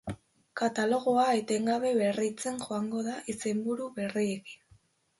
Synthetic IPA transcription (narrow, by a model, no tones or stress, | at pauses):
kat̪alo̞ɣ̞oaet̪e̞ŋɡaβe̞βe̞rit͡se̞ŋʝo̞aŋɡo̞ðaʔise̞mbuɾuβe̞rie̞ki̥n